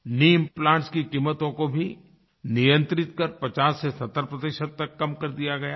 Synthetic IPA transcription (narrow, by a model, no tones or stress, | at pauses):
niːmplãːɳʈskikiːmːət̪õkobʱi | nijə̃nt̪ɾɪt̪kɐɾpɐt͡ʃaːsːesɐt̪ːəɾpɾɐd̪ɪʃəd̪̚t̪ːɐkːɐmkɐɾd̪ijaɡɐjaː